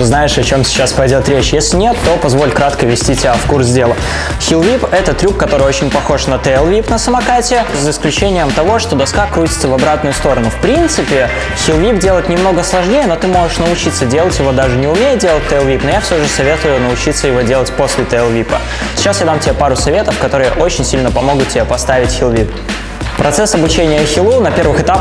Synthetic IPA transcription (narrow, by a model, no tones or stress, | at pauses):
ɨznajɪʂɐt͡ɕo̞msʲɪ̥t͡ɕːaspɐjdʲo̞t̪ɾʲet͡ɕjesʲlʲɪnʲe̞t̪ːo̞pɐzvo̞lʲkɾat̪kəvʲɪsʲtʲitʲɪbʲafkurszdʲe̞lˠə | xʲilˠvʲipɛt̪ət̪ɾʲukkːɐt̪o̞ɾɨjot͡ɕɪnʲpɐxo̞ʂnət̪əɛlˠvʲipnəsəmɐkatʲɪjəsəɪsklʲʉt͡ɕenʲɪjəmt̪ɐvo̞ʂt̪o̞d̪ɐskakɾutʲɪ̥t̪səvɐbɾat̪̚nʊjʊst̪o̞ɾənʊfpɾʲint̪sɨpʲɪ | xʲɪlˠvʲipdʲe̞ləjɪt̪nʲɪmno̞ɡəslˠɐʐnʲejəno̞t̪ɨmo̞ʐɨʂnəʊt͡ɕit̪sːədʲelˠətʲjɪvo̞d̪aʐɨnʲɪʊmʲejɪt̪̚dʲe̞lˠət̚ʲt̪əɛlˠvʲipnojafsʲoʐɨsɐvʲe̞t̪ʊjʊnəʊt͡ɕit̪sːəjɪvo̞dʲelˠətʲpo̞sʲlʲɪt̪əɛlˠvʲipə̰ | sʲɪ̥t͡ɕːasjad̪amtʲɪbʲepaɾʊsɐvʲe̞t̪əfkɐt̪o̞ɾɨjə̰ʔo̞t͡ɕɪnʲsʲilʲnəpɐmo̞ɡʊt̪̚tʲɪbʲepɐst̪avʲɪtʲxʲɪlˠvʲip | pɾɐt̪sɛsɐbʊt͡ɕenʲɪjəxʲɪlˠunɐpʲe̞rvɨxɨt̪ap